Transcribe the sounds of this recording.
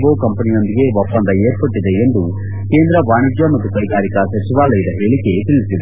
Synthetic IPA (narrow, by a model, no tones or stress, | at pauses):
boːkɐmpɐnijo̞nd̪iɡe̞ʋopːɐnd̪ɐeːɾpɐʈːid̪e̞end̪u | ke̞ːnd̪ɾɐʋaːɳid͡ʒjɐmɐt̪ːukɐjɡaːɾikɐsɐt͡ʃiʋaːɭɐid̪ɐɦeːɭikːe̞t̪iɭisid̪e